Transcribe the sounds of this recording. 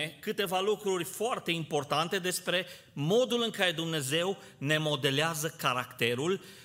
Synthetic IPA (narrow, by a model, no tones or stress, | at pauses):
ekɨt̪e̞valukɾurʲfoart̪e̞impo̞rt̪ant̪e̞d̪e̞spɾe̞ | mo̞d̪ulɨŋkaɾe̞d̪umne̞ze̞w | ne̞mo̞d̪e̞leazəkaɾakt̪e̞ɾul